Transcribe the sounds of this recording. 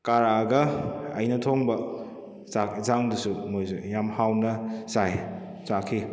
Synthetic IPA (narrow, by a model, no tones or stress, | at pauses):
kaɾaːɡɐɐjnɐtʰoŋbɐ | zakzaŋdusumojzo̰jamhawnɐsaj | zakʰi